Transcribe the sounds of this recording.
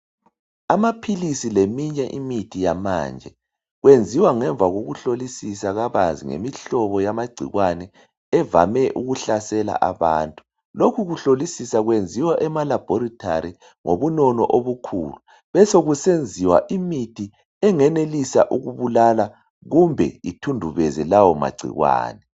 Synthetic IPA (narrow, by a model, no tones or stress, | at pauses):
amapʰilisilemiɲɛʔimitʰijama̰ːnd͡ʒʱɛ | ɣwend͡zʱiwaŋɛɱb̪vʱaɣoɣuɬolisisaɣaβanzʱḭŋḛmiɬɔβɔjamaɡ͡ǀʱḭɣwanɛ | ɛva̰mɛʔuɣuɬasɛla̰ʔaβa̰ːntʼu | lokʰuɣuɬolisisaɣwend͡zʱiwaʔɛmalab̥ʱɔɾitʰa̰ɾi | ŋoβunɔnɔ̰ʔoβukʰṵːlu | βɛsoɣusend͡zʱiwa̰ʔimitʰi | ɛŋɛnelisa̰ʔuɣuβulala | ɣumbʱɛitʰundʱuβɛzɛlawɔma̰ɡ͡ǀʱḭɣwa̰ːnɛ